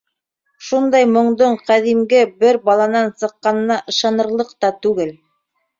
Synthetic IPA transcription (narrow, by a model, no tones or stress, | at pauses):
ʃund̪ɑjmŏɴd̪oɴqæðimɡɘbɘɾbɑlˠɑnɑnsɤ̆qːɑnɤnɑʔɤ̆ʃɑnɤ̆ɾlˠɤqt̪ɑt̪ʉɡɘl